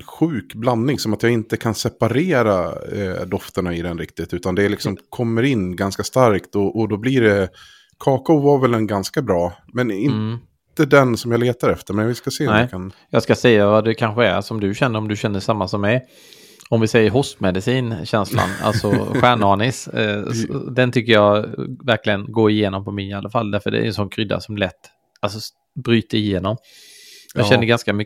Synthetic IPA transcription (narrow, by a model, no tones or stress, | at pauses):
ɧʉ̟ːkbland̪ːɪŋsɔmat̪jaɪnt̪əkʰansɛpaɾeːɾad̪ɔft̪əɳaɪd̪ɛnɾɪk̚t̪ɪt̪ʉ̟ːt̪and̪ɛːlɪksɔmkʰɔmːəɾɪnːɡanskast̪aɾkt̪ɔʔɔd̪ɔblɪɖɛ | kʰɑːkaʊvaɾvɛlɛnɡanskabɾɑː | mɛnɪnt̪əd̪ɛnsɔmjaleːt̪aɾɛft̪əɾmɛnvɪskaseːnɛkʰanjɑːskasɛjːavad̪ɛkʰanɧəæ̰ɾsɔmd̪ɵɕɛnːəɾɔmd̪ɵɕɛnːəʂamːasɔmːɛj | ɔmvɪsɛjːəɾɦɔst̪mɛd̪ɪsiːnɕɛnsla̰na̰lsɔɧæːɳɑːɳɪs | d̪ɛnt̪ʰʏkːəjɑvæɾklɪɡənɡoːɪjeːnɔmpʰɔmɪɪalːafalːd̪æɾfəɖ̪ɛ̰ɾɛ̰nsɔnkʰɾʏd̪ːa̰sɔmlɛt̪ː | alsɔ | bɾyːt̪əɾɪjeːnɔm | jɑɕɛnːəɡanskamʏ